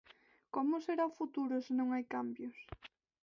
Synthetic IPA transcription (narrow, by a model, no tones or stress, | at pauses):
komʊseɾaʊfut̪uɾʊsɪnõŋajkambjʊs